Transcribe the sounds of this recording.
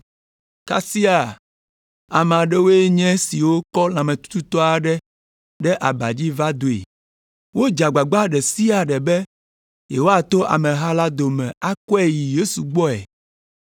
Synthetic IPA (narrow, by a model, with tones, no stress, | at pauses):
ka̰˦si˦a˨ | a˨m˨a˨ɖɛ˦wo˦e˦ɲɛ̃˦si˨wo˦kɔ˦lã˨mɛ̃˨t̪u̥˦t̪u˦t̪ɔ˦a˨ɖɛ˦ | ɖɛ˦ʔa˨ba˨d͡ʑi˦va˦d̪o˨ḛ˨ | wo˦d͡ʒa˨ɡ͡ba˨ɡ͡ba˦ɖɛ˨si˦a˨ɖɛ˨bɛ˦ | je˨wo˦a˨t̪o˦ʔa̰˨mɛ̃˨ɦa˦la˦d̪o˨mɛ̰̃˨a˦kɔ˦ɛ˦˨ji˨je˦su˨ɡ͡bɔ˦ɛ̰˨